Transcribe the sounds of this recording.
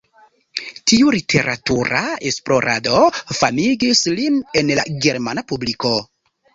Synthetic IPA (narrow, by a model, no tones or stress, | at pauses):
tiulitʰe̞ɾʔa̰tuɾaesplo̞ɾʔa̰do̞famiɡisline̞nla̰ɡe̞ɾmanapubliko̞